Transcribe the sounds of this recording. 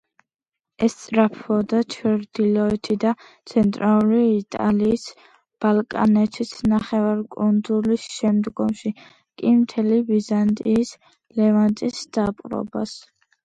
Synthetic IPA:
ɛst̪sʼɾapʰɔd̪at͡ʃʰɾd̪ilɔɛt̪ʰid̪at̪sʰɛnt̪ʼɾalˠuɾiːt̪ʼaliːs | b̥alˠkʼa̰nɛt̪ʰisʰnaχɛvaɾkʼund̪zulisʃɛmd̪ɡɔmʃi | kʼimt̪ʰɛlibizant̪ʼiːs | lɛvant̪ʼisd̪̥apʼɾɔ̰ba̰s

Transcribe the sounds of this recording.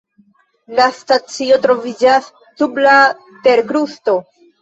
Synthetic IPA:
lastat͡sio̞t̪ɾo̞vid͡ʒasː | ubla | te̞ɾkɾusto̞

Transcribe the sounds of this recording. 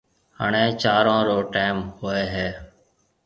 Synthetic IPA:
ha̰ːɳ̃ẽːt͡ʃaːɾãːɾoːʈaːmɦʊeːɦeː

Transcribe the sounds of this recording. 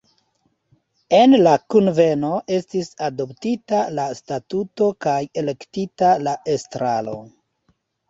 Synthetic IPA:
enlakunve̞no̞ʔe̞stisado̞ptitalastatuto̞kaje̞le̞ktitalaʔe̞stɾalo̞̰

